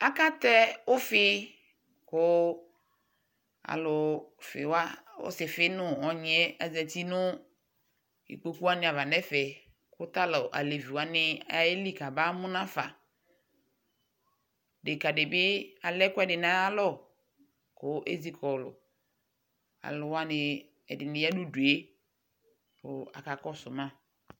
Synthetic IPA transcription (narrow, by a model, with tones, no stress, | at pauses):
a˦ka˦t̪ɛ˦ʊ˦fɪ˦ | kʊ˦ | a̰˨lʊ˨fɪ̰˨wa˦ʊ̰˦sɪ˨fɪ˦nʊ̃˦ɔ˨ɲ˨ɛ˦ɛ˨zɛ˨ti˦nʊ˦ | ḭ˨k͡po˨ku˦a˦nɪ̃˨a˨va˨nɛ˦fɛ˨ | kʊ˦t̪a˦lɔ˨ʔa̰˨le˨vi˨wa˨˦nɪ˦a˨e˦li˦˨ka˨ba˦mʊ̃˦nã˦fa˨ | de˨ka˨dɪ˨bɪ˦a˨lɛ˦kʊ˦ɛ˦dɪ˨na˦a˦lɔ˦˨ | kʊ˨˦ʔḛ˦zi˦kɔ˨lʊ̰˨ | a̰˨lʊ˨wa˦nɪ˨ | ɛ˨dɪ˨nɪ̃˨ja˦dʊ˦du˨e˦ | pʊ˨a̰˨ka˨kɔ˦sʊ˨mã˦